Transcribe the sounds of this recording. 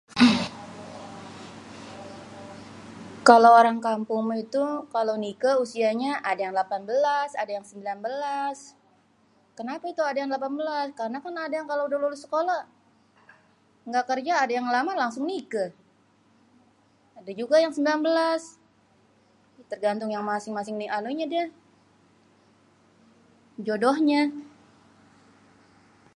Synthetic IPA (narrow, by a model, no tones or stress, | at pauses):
kalawoɾaŋkampʊŋmit̪ukalawnikəusiaɲaʔadajaŋlapanbəlasa̰dajaŋsəmbilanbəlas | kənapait̪uadajaŋlapanbəlaskaɾənakanadajaŋkalaudahlulʊsːə̥kola | ŋɡakərd͡ʒaːdajaŋlamalaŋsʊŋnikə | adad͡ʒuɡajaŋsəmbilanbəlas | t̪ərɡant̪ʊŋjaŋmasɪŋmasɪŋnianoɲadia | d͡ʒodohɲa